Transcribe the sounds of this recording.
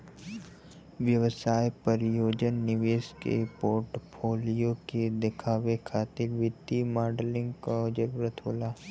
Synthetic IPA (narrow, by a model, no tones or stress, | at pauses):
ʋjɐʋsaːjpəɾɪjoːd͡ʒənːɪʋeːʃkḛpoːɾʈpʰoːlijoked̪ɪkʰaːʋekʰaːt̪ɪɾʋɪd̪imaːɾɖlɪ̃ŋɡkad͡ʒəɡɾət̪ʰoːlaː